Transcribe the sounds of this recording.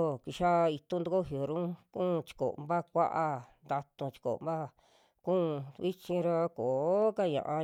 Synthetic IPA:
ki˧ʃa˦˧i˧t̪ũ˦nd̪u˧ko˦ɦjo˨ɾũ˦kũː˦˧t͡ʃi̥˧ko̰˨˧mba˦kʷa̰˦ʔa˧nd̪a˧t̪ũ˧t͡ʃi̥˧ko̰˨mba˦ | kũː˦˧βi˦t͡ʃĩ˧ɾa˧ko˨˦ka˦ɲã̰˧ʔã˧

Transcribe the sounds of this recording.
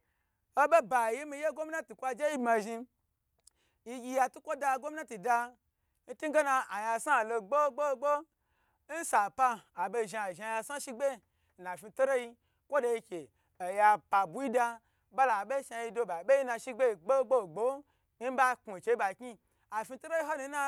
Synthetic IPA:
o˦be˦ba˨ji˦mi˧je˦ɡo˦mi˦na˦tu˨kʷa˧d͡ʒe˦ji˦bma˧ʒi˧ | ji˧ɡʲi˧ja˧tu˦kʷo˦da˧˨ɡo˦mi˦na˦ti˨da˧ | n̩˦tu˦ɡe˦na˧a˨ja˧sa˦˨lo˧ɡ͡bo˦ɡ͡bo˦ɡ͡bo˦ | n̩˦sa˨paː˧˨be˧ʒi˧a˨ʒa˧ja˧sa˦ʃi˦ɡ͡be˦˨ | na˨fi˧to˦ɾo˦ji˧ | kʷo˦do˧i˧kʲe˨ | a˨ja˧pa˨bu˨˦ji˦da˧ | ba˦la˨ɓe˦ʃa˧ji˧do˧ba˨be˦ji˦na˧ʃi˦ɡ͡be˦i˧ɡ͡bo˦ɡ͡bo˦˨ɡ͡bo˦ | ba˦ku˨t͡ʃe˧˦i˦ba˨kʲi˦ | a˨fi˧to˦ɾo˦i˦ɦo˦nu˧˦na˧

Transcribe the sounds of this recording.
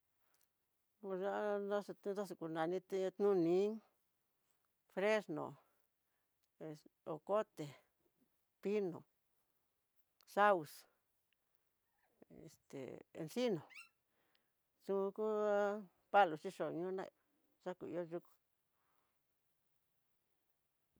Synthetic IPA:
u˧ʒa˦nã˦st̪ũ˦ta˦s̬u˧ku˧nã˨nĩ˧t̪t̪nũ˦nĩ˧˦ | fɾe˦snõ̰˨ | o˨ko˦t̪e˨ | pi˦nõ̰˨ | sa˦u˧s | ḛ˨st̪ḛ˨ḛ˧nsi˦nõ˨ | sũ˧ku˦ | pa˦lu˨t͡ʃi˦ʃo˨˧ɲũ˦nã̰˦˧˨ | ʐa˦kṵ˨ḭ˧o˦ʒu˧ku̥˧

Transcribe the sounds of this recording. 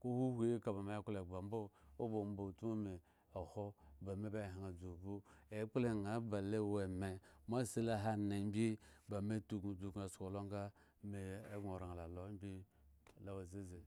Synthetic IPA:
ko˦hu˦hʷe˦e˦ka˨ba˨me˨˦kle˨ɡ͡ba˨m˦bo˦o˦bo˨m˦bo˨tu˦mo˦me˨ | o˨ho˦ba˨me˦ba˦˨ɦa˨ŋa˨d͡zo˨bu˦e˨˦k͡ple˦˨ŋa˨˦ba˨le˦we˨me˨m˦a˦˨se˦la˦ɦa˦na˨m˦bʲi˦ba˨me˦tu˨kd͡zu˨ka˨sko˨lo˦ŋ˦ɡa˦ | me˨e˦ɡo˨ɾa˨ŋ˨la˨lo˨˦m˦bʲi˦ | la˨wa˨ze˦ze˨

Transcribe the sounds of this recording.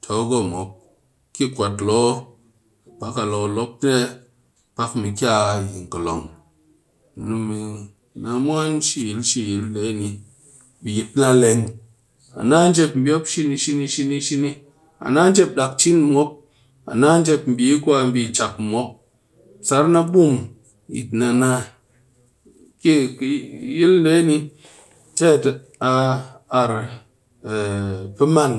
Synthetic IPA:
tʰo˨˦ɡo˦mʷo˨˦p̚ | ki˦kʷa˨tlo˨˦ | pa˦ka˨lo˨lo˦p̚ne˦ | pa˦kmi˨kʲa˦˨i˨ŋ̩˨kɨ˨lo̰˨ŋ˨ | nu˧mːi˨ | na˧mʷ˦a˦n˦ʃi˦˨ji˨˦lʃi˦˨ji˨˦lːe˨˦˨ni˧ | mi˨ji˨tna˦le˧ŋ | a̰˨na˦n̩˦d͡ʒe˧p̚m̩˦bʲo˦pʃi˦ni˧ʃi˧ni˧ʃi˧ni˧ʃi˦ni˧ | a̰˨na˦n̩˦d͡ʒe˦p̚ɗa˨k̚t͡ʃi˦n˦mʷo˦p̚ | a̰˨na˦n̩˦d͡ʒe˦˧pm̩˨bi˨˦kʷa˧m̩˦bi˧˨t͡ʃa˨k̩˨mʷo˨˦p̚ | sa˨˦ɾna˦ɓu˦˨m | jḭ˨tna˧na˧ | ki˦˨kji˦ln̩˦le˨˦ni˧ | te˦˨t | a˧a˧ɾ | pɨ˦ma˦˨n

